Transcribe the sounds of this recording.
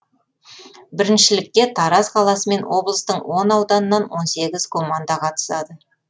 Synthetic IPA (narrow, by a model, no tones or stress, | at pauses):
bɪɾɪnʃɪlɪk̚t̪e̞t̪ʰɑɾɑsqʰɑlˠɑsəme̞nwo̞blˠəst̪əɴwo̞nɑwd̪ɑnənːɑnwo̞nse̞ɡʲɪzkʰo̞mand̪ɑqʰɑt̪ə̥sɑd̪ə